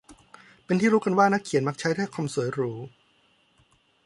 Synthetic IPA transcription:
pe˧nt̪ʰiː˥ɾuː˦˥ka˧nwaː˥˩na˦˥kʰːi˨˩˦nma˦˥k̚t͡ɕʰa˦˥jt̪ʰa˥˩kʰa˧msu˩˦əjɾuː˦˥

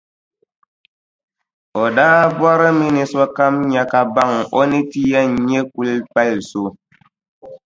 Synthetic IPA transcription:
ɔ˨daː˦bwa˦ɾə˦mi˦ni˨swa˦ka˦mɲa˨ka˨ba˦˨ŋɔ˦ne˦ti˦ja˦˨ɲ˦e˦ku˦lpa˦˨lso˨˦

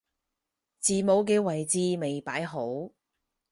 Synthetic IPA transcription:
t͡siː˨mo˨˥wk̬ɛː˧wɐ˨˩jt͡siː˧me˨jpaː˨˥jɦo˨˥w

